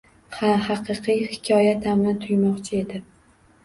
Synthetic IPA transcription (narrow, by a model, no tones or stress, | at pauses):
hahɑqʰɨqʰɨijhɪ̥kʲʰɒjat̪ʰamɪt̪ʰʊjmɒqt͡ʃʰɪe̞d̪ɪ